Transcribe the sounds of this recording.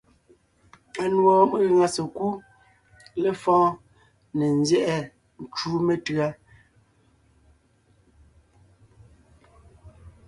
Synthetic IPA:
a˨nwɔ˨˦mə˦ɣŋa˨se˨ku˦ | le˦fɔ̃ː˦ | ne˨n˦zjɛ˦ʔɛ˦ | n˨t͡ʃuː˦me˨tɰa˦

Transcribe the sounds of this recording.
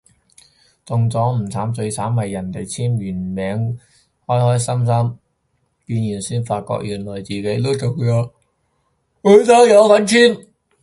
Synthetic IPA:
t͡sʊ˨ŋt͡sɔː˨˥ŋm̩˨˩t͡sʰaː˨˥mt͡sɵ˧ɥt͡sʰaː˨˥mhɐ˨jːɐ˨˩nt̪e˨jt͡sʰiː˥mjyː˨˩nmɛː˨˧ŋ | hɔː˥jhɔː˥jsɐ˥ms̬ɐ˥m | piː˧njyː˨˩nsiː˥nfaː˧t̚kɔ̰ː˧˥k̚jyː˨˩nlɔː˨˩jt͡siː˨ke˨˥jt̪o˥wt͡so˨wjɔː˨˥ | kɵ˨˥ɥt͡sɐ˨˥wjɐ˨˧wkɐ˨˥nt͡ʃʰyː˥n

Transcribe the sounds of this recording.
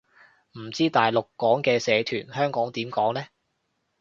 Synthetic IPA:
m̩˨˩t͡siː˥t̪aː˨jlʊ˨kːɔː˨˥ŋkɛː˧sɛː˨˧t̪ʰyː˨˩nhœː˥ŋkɔː˨˥ŋt̪iː˨˥mkɔː˨˥ŋlɛː˥

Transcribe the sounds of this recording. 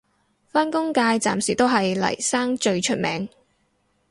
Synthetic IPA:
faː˥nkʊ˥ŋkaː˧jt͡sa̰ː˨msiː˨˩t̪o˥wɦɐ˨jlɐ̰˨˩jsaː˥ŋt͡ʃɵ˧ɥt͡ʃʰɵ˥t̚mɛ̰ː˨˧ŋ

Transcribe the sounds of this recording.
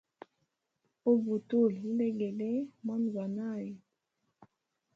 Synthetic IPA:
o˦bu˨tu˦˨llɛ˦ɡɛ˨le˦mɔ˦nɡwa˨na˦˨ji˨

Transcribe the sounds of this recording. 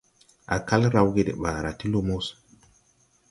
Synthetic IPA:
a̰˨ka˦lɾa˨wɡe˨dḛ˨ɓaː˨ɾa˨ti˦lo˦mo˦s

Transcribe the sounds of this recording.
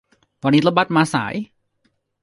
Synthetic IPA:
pʰɔː˧niː˦˥t̪a˦ba˦˥t̪̚maː˧sa̰ː˩˦j

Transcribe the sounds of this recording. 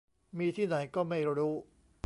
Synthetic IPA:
miː˧t̪ʰiː˥˩na˩˦jkɔː˥˩ma˥˩jɾuː˦˥

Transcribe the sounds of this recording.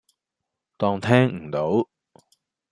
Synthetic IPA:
t̪ɔː˧ŋt̪ʰɛː˥ŋ̩˨˩t̪o˨˥w

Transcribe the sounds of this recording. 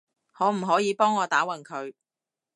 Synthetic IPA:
ŋɔː˨˧m̩˨˩ɦɔː˨˥jiː˨˧pɔː˥ŋːɔː˨˧t̪aː˨˥wɐ˨˩nkʰɵ˨˧ɥ

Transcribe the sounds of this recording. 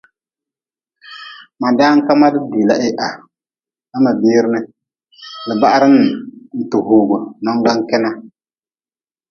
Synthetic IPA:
ma˨da˦ŋ̩˦ka˦ma˦dɨ˦di˨la˨ʔɪ˦ʔa˨ | a˦ma˨biː˦ɾnɨ˦ | lɨ˨ba˦ʔa˦ɾɨ˦nːɨ˨n̩˨tu˨ɦuː˨ɡɔ˨nɔ˦ŋ˦ɡa˦ŋ˦kɛ˦na˦

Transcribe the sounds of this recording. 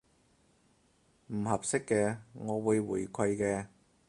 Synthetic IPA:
m̩˨˩hɐ˨˩p̚sɪ˥kːɛː˧ŋɔː˨˧wuː˨˧jwuː˨˩jkʷʰɐ˧jkɛː˧

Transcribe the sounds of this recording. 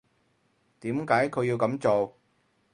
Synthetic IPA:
t̪iː˨˥mkaː˨˥jkʰɵ˨˧ji˧wkɐ˨˥mt͡so˨w

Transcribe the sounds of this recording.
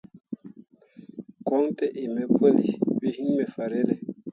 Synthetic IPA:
kɔ˨˦ŋtɛ˦ʔe˨mɛ˨pə˦li˨wi˦hi˦ŋmɛ˨fa˨ɾe˦lɛ˨

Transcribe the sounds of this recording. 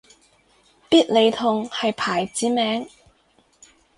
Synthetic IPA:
piː˥t̚le˨˧jt̪ʰʊ˨˧ŋhɐ˨jpʰaː˨˩jt͡siː˨˥mɛː˨˥ŋ

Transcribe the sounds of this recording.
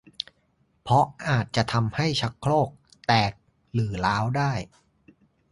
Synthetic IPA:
pʰɔ˦˥ʔaː˨˩t̪̚t͡ɕa˨˩ʔt̪ʰa˧mha˥˩jt͡ɕʰa˦˥kʰːloː˥˩k̚ | t̪ɛː˨˩k̚ | lɯː˩˦laː˦˥wdaː˥˩j

